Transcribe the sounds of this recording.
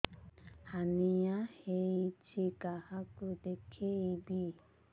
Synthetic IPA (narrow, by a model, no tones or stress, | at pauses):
hanĩjãheit͡ʃikahakudekʰeibi